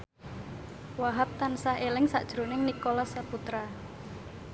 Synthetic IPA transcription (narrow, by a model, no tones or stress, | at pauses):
waɦap̚t̪ansaɦelɪŋsa̰ʔd̥ʒ̥ɾo̤nɪŋnikolɔsaput̪ɾa